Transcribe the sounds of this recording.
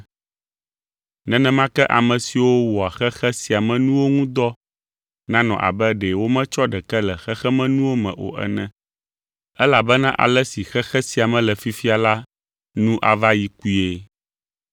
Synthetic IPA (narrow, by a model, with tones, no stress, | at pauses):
nɛ̃˨nɛ̃˦mã˦kɛ˦ʔa˨mɛ̃˨si˨wo˦wɔ˨a˨xɛ˦xɛ˦si˨a˨mɛ̃˦nũ˦wo˦ŋũ˦d̪ɔ˦ | nã˦nɔ̰̃˨ʔa̰˨bɛ˦ɖɛ˨wo˦mɛ̃˦t͡ʃɔ˦ɖɛ˨kɛ˦lɛ˨xɛ˦xɛ˦mɛ̃˦nũ˦wo˦mɛ̰̃˨ʔo̰˨ʔɛ̰˨nɛ̃˦ | ɛ˦la˨bɛ˦nã˦ʔa̰˨lɛ˦si˨xɛ˦xɛ˦si˨a˨mɛ̃˨lɛ˨fi˦fi˦a˨la˦ | nũ˦ʔa˨va˦ji˦ku˦e˦